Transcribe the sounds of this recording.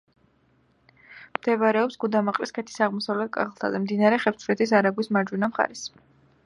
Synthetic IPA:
md̪̥ɛβaɾɛɔpsɡud̪amaqʼɾiskʰɛt̪ʰi̥saʁmɔsavlɛt̪̚kʼa̰χlˠt̪ʰa̰d̪amd̪inaɾɛχɛp̪sʰvɾɛt̪ʰisaɾaɡwismaɾd͡ʒwinamχa̰ɾɛs

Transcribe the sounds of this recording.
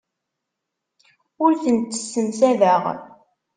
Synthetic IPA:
ʊɾθənt̪ːə̥sːəmsæðəʁ

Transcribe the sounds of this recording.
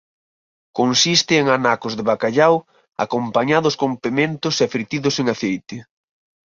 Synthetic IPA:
konsist̪ɪːŋanakʊzðɪβakaʎaw | a̰kompaɲaðʊskompemẽnt̪ʊseafɾit̪iðʊseŋaθejt̪ɪ

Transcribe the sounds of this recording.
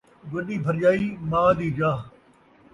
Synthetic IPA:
ɡɐɗiːbʱɐɾd͡ʒaːiːmaːd̪iːd͡ʒaː

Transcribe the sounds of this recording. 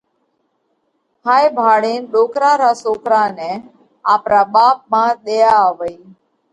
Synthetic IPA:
haːjbʱaːɽeːnɗoːkɾaːɾaːsoːkɾaːne | aːpɾaːɓaːp̚mãːɗ̪ejaəʋəi

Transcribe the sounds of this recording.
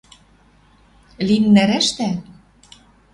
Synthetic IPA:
limnæɾæʃt̪æ

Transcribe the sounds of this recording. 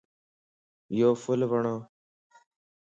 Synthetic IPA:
joːfʊlʋəɳoː

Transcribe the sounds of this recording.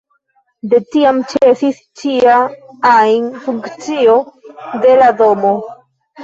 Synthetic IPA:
de̞tiamt͡ʃesis | t͡ʃiaanfuŋkt͡sio̞de̞lado̞mo̞

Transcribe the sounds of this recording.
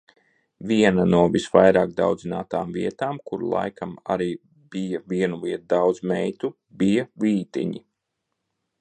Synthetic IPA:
ʋʲiɛnanuɔvisʋajɾaːk̚d̪a̰wd̪zinaːt̪aːmviɛt̪aːmkuɾ̰lˠa̰jkama̰ɾiː | bijɐviɛnuliɛt̪̚d̪awd̪zmɛjt̪u | bijaliːt̪ḭɲi

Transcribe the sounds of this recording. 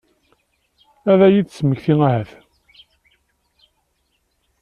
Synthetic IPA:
æðæjidsməçθiŋæhæθ

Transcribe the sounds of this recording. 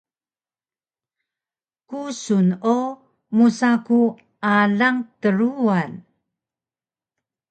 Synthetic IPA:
kusuno | musaku | ʔalaŋtəɾuan

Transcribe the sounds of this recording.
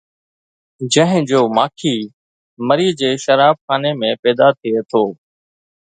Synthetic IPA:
d͡ʑə̃ɦɪ̃d͡ʑoːmaːkʰiː | məɾiːd͡ʑeːʃəɾaːb̚xaːnemẽːpɛːd̪aːt̪ʰɪeːt̪ʰoː

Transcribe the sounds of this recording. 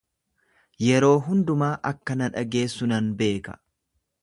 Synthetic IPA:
jɛɾo̞ːɦʊnd̪ʊmaːʔɐkːɐnɐᶑɐɡe̞ːsːʊnɐnbe̞ːkɐ̥̰

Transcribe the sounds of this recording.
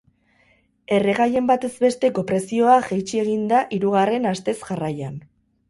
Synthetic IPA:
e̞reɣaje̞mbat̪e̞zbe̞st̪e̞ko̞pɾe̞sio̞aʝejt͡ʃie̞ɣind̪aʔiɾuɣ̞are̞nast̪e̞sʝarajan

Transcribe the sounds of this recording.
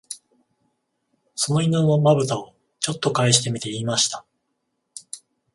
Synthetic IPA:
so̞no̞inonomabɯ̟t̪ao | t͡ɕo̞t̪ːo̞kaeɕi̥t̪e̞mʲit̪e̞iːmaɕi̥t̪ḁ

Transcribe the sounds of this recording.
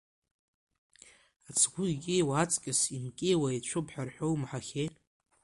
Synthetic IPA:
at͡sʰɡʷʊɡʲʼɪjwaːt͡sʼkʲʼɪsimkʲʼejwait͡ɕʷʰʊpʰħᶣarħʷᶣowmħaxʲej

